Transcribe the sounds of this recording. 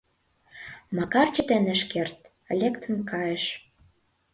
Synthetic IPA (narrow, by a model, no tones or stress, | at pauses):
mɑkɑrt͡ɕĕt̪enĕʃkert̪ | lʲekt̪ʰə̆mkɑjĕʃ